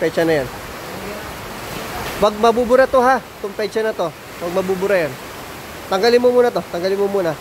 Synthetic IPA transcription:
pɛt͡ʃɐnɐjan | wɐɡ̚mɐbubʊɾat̪oɦat̪ʊŋpɛt͡ʃɐnɐt̪o̞ | wɐɡ̚mɐbubʊɾɐjan | t̪ɐŋɡalɪnmomuːnɐt̪o̞t̪ɐŋɡalɪnmomuːnɐ

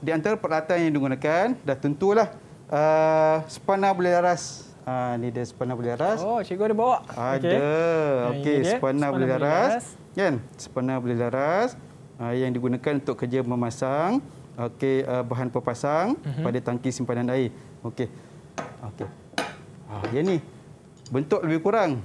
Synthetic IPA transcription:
diant̪aɾapəlat̪anjaŋdiɡunakandaht̪unt̪ulah | ʔəsə̥panabuleɦlaɾas | anidəsə̥panabulɛlaɾast͡ʃiɡodəbawaʔadəokesəpanabulelaɾass | kansə̥panãbulɛlaɾas | əjaŋdiɡunakanunt̪ʊkːərd͡ʒəməmasaŋ | okeəbaɦanpərpasaŋpadat̪aŋkisimpananaɪ | oke | oke | ajani | bənt̪ʊʔləbɪhkuɾaŋ

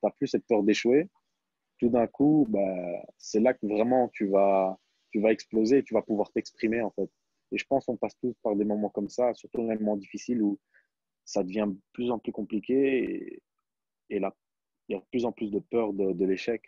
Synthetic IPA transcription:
t̪yaplysɛt̪̚pœʁd̪eʃwe | t̪ud̪ɛ̃kubasɛlakəvʁɛmɑ̃t̪yva | t̪yvaɛksplozeːt̪yvapuvwaʁt̪ɛkspχimeɑ̃fɛt̪ | eʒəpɑ̃skɔ̃past̪uspaʁd̪emɔmɑ̃kɔmsasyʁt̪umɛmmɑ̃d̪ifisilu | sad̪əvjɛ̃d̪əplyzɑ̃plykɔ̃plikʲḛ | la | iljad̪əplyzɑ̃plys̬d̪əpœʁd̪əd̪əleʃɛk

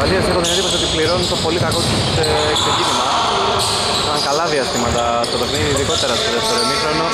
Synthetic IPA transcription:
ɐðiɐst̪inɐpoineðiposot̪ipliɾo̞nt̪o̞po̞likɐko̞t̪ise | kseɟinimɐ | ɐŋkɐlɐðiɐst̪imɐt̪ɐ | st̪op̪exniðiːðiko̞t̪e̞ɾɐst̪oðeft̪eɾomixɾono

